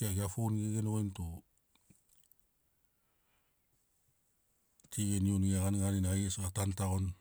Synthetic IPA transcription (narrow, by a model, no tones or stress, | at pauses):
aɡiafonɡeɡenojnto | tʰiɡenionɡeaɣanɡaninajesɡatantaɣon